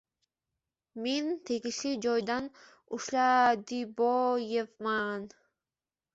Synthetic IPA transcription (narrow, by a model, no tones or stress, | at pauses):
ment̪ʰeɡiʃid͡ʒojd̪ɑn | uʃlɑd̪ibojevmɑn